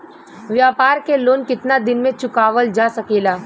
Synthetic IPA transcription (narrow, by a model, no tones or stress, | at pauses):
ʋjaːpaːɾkeloːnkɪt̪nad̪ɪnmẽt͡ʃʊkaːʋəld͡ʒaːsɐkeːlaː